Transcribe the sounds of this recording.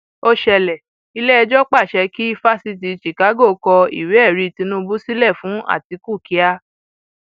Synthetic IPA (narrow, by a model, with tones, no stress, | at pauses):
o˧ʃɛ˧lɛ˨ | i˧lɛ˦ɛ˧d͡ʒɔ˦k͡pa˦˨ʃɛ˧ki˦i˧˦fa˦si˧˨t̬i˧ʃi˨ka˨˦ɡo˦˨˧kɔ˧ḭ˨we˨˦ɛ˦˨ɾi˨˧˨ti˧˦nũ˦bu˦si˦lɛ˦˨fũ˨˦a̰˦˨ti˧˦ku˦˨ki˨˦a˧